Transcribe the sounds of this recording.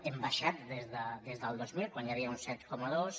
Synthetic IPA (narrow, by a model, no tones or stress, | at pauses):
embaʃat̪̚ðezðəd̪ezðəlˠd̪ozmilˠkwanjaβiaunsɛt̪kɔmaðos